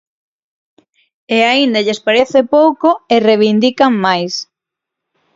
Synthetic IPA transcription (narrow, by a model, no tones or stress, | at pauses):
eaind̪aʎespaɾeθɪpowkoereβind̪ikaŋmajs